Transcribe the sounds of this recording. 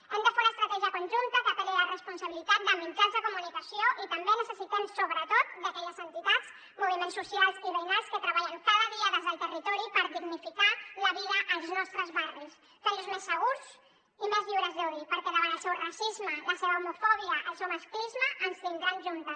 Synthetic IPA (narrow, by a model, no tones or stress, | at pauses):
ɛmd̪əfenəst̪ɾət̪ɛʒiəkunʒunt̪əkət̪əlelərəspunsəβilit̪at̪̚d̪əmind͡ʒanzəkumunikəsioʔit̪əmbenəsəsit̪ɛmsoβɾət̪ot̪̚d̪əkɛʎəzənt̪it̪at͡s | muβimẽnsːusialˠsiβəjnalˠskət̪ɾəβaʎənfaðəðiəðəzðəlˠt̪ərit̪ɔɾipəɾðiɣnifikaləβiðəʔəlˠznɔst̪ɾəzβaris | k̪awzmesːəɣuz | imezʎiwɾəzðuðipəɾkɛðəβanəlˠsɛwrəsizmələseβəumufɔβ̞iəʔəlˠsewmaskɾizməʔənsiŋɡɾanʒunt̪əs